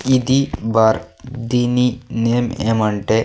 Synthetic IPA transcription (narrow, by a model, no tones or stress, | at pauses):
id̪ibaɾd̪ininemḛmɐɳʈe